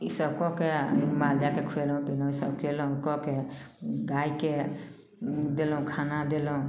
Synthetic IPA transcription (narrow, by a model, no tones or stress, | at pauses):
isəb̚kɔkemald̪akekʰuelũpilɔ̃isəb̚kʰuelɔũkɔke | ɡajke | d̪elɔũkʰanad̪elɔũ